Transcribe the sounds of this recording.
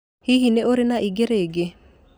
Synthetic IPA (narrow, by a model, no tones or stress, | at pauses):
hiɦineʔoɾenaʔiɡeɾeɡe